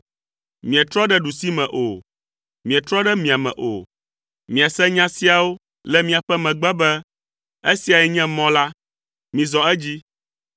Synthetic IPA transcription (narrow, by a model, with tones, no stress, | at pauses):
mĩ˨ɛ̃˨t̪ɾɔ˦ɖɛ˦ɖu˨si˦mɛ̃˨ʔo˨ | mĩ˨ɛ˨t̪ɾɔ˦ɖɛ˦mĩ˨a˨mɛ̰̃˨ʔo̰˨ | mĩ˨a˨sɛ˦ɲã˦si˦a˨wo˦ | lɛ˦mĩ˦a˨ɸɛ˦mɛ̃˨ɡ͡bɛ˦bɛ˦ | e˦si˨a˨jɛ˨ɲɛ̃˦mɔ̃˦la˦ | mĩ˨zɔ˨ɛ˦d͡ʑi˦